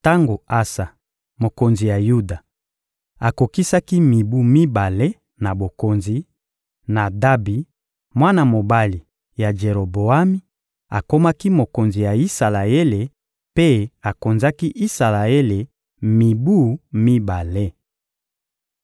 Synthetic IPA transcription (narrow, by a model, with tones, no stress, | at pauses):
ta˦ŋɡo˨a˦sa˨ | mo˨ko˨nzi˨ja˨ju˦da˨ | a˨ko˨ki˦sa˦ki˦mi˨bu˦mi˦ba˨le˦ | na˨bo˨ko˨nzi˨ | na˨da˦bi˨ | mwa˦na˨mo˨ba˦li˨ | ja˨d͡ʒe˨ʁo˨bo˨a˦mi˦ | a˨ko˦ma˦ki˦mo˨ko˨nzi˨ja˨i˦sa˨la˨e˦le˨ | pe˦a˨ko˨nza˦ki˦ʔi˦sa˨la˨e˦le˨ | mi˨bu˦mi˦ba˨le˦